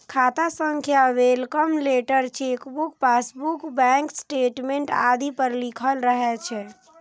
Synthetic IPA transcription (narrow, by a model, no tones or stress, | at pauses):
kʰat̪asəŋkʰjawelkəmleʈəɾt͡ʃʰekbukpasbukbɛ̃ŋksʈeʈmeɳʈad̪ipəɾlikʰəlɾəɦɛt͡ʃʰɛ